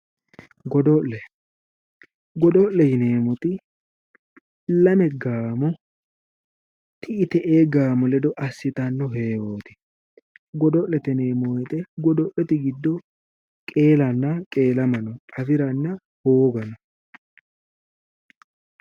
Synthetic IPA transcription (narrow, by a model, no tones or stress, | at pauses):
ɡɔd̪ɔʔɛ | ɡɔd̪ɔʔlɛjɪne̞ːmɔt̪ɪ | lɐmɛɡaːmɔ | t̪ɪɪt̪ɛʔeːɡaːmɔlɛd̪ɔʔɐsːɪt̪ɐnːɔɦeːwoːt̪ɪ̥ | ɡɔd̪ɔʔlɛt̪ɛneːmɔjt̪ʼɛɡɔd̪ɔʔɛt̪ɪɡɪd̪ːɔ | kʼe̞ːlɐnːɐkʼe̞ːlɐmɐnɔɐfɪɾɐnːɐ | hoːɡɐnɔ